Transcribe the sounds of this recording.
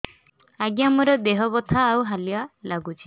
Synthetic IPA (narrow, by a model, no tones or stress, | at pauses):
aɡjamɔɾɔd̪eɦɔbɔt̪ʰaːwɦalialaɡut͡ʃʰi